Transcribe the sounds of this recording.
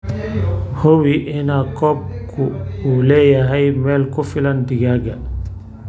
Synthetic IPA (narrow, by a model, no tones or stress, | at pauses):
howiʔɛnakɔb̚kuulɛjaɦajmɛlkɔfilandiɡaɡa